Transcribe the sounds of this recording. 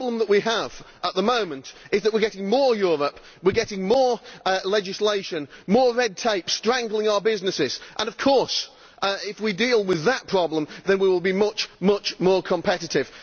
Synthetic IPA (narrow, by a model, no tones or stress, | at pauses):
blə̃mðəʔwiəv̥ | ʔət̪̚ðəmõʊ̃mə̃ntɨzðəʔ̚wɪəɹɡɛɾɪ̃ŋmɔːɹjɔɹəp | wɪɹɡɛɾɪ̃ŋmɔɹlɛd͡ʒɪsleɪʃɨ̃nmɔːɹɛd̚tʰeɪpstɹ̥æ̃ŋɡlˠɪ̃ŋaʊə˞bɪznɨsɪz̥ʔə̃nʌv̥kʰɔɹs | ɪfwidilˠwɪðət̚pʰɹ̥ɑblə̃mðə̃nwiwɪlˠbimʌt͡ʃmʌt͡ʃmɔːɹkʰə̃mpʰɛɾɨtɪv̥